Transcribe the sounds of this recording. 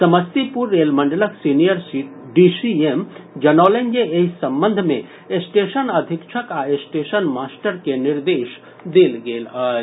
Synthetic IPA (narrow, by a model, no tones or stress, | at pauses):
sɐməst̪ipuɾːeːlmə̃ɳɖələksinijəɾsiɖisiemd͡ʒɐnɔːlẽnd͡ʒeeɦsɐ̃mbə̃nd̪ʱmẽ | esʈeːʃənəd̪ʱɪkt͡ʃʰəkaesʈeːʃənmaːsʈəɾkenɪɾd̪eːʃ | d̪eːlɡeːlaː